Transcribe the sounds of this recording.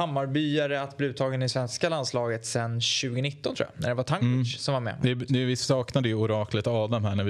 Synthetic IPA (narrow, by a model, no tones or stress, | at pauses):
hamːaɾbyːaɾəat̪blɪʉːt̪ʰɑːɡənɪsvɛnskaland̪slɑːɡət̪sɛnɕʉ̟ːɡənɪt̪ːɔnt̪ʰɾṵjʔa̰næ̰ɖ̪ɛvat̪ʰaŋsɔmvaɾmɛ̰ɪnʉvɪsɑːknad̪əjɵʊɾɑːklət̪ɑːd̪amhæɳævɪ